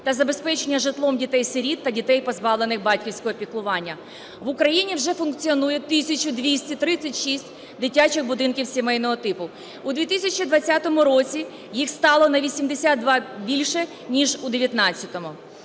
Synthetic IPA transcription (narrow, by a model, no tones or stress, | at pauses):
t̪ɐzɐbe̞spɛt͡ʃenʲːɐʒɪt̪lˠɔmdʲit̪ɛjseɾʲid̪ːɐdʲit̪ɛjpɔzbɑʋlˠenɪxbɑtʲkʲiwsʲkɔɦɔpʲiklˠʊʋɑnʲːɐ | ʋʊkɾɐjinʲiwʒɛfʊnkt͡sʲiɔnujɛt̪ɪsʲɐt͡ʃʊd̪ʋʲisʲtʲit̪ɾɪt͡sʲːɐtʲʃisʲtʲ | d̪ɪtʲat͡ʃɪɣbʊd̪ɪnkʲiwsʲimɛjnɔɦɔt̪ɪpʊ | ʊd̪ʋʲit̪ɪsʲɐt͡ʃid̪ʋɐt͡sʲːat̪ɔmʊɾɔt͡sʲi | jixst̪ɑlˠɔnɐʋʲisʲimd̪esʲad̪̚d̪ʋɑbʲilʲʃɛ | nʲiʒud̪eʋʲjɐt̪nɑt͡sʲːɐt̪ɔmʊ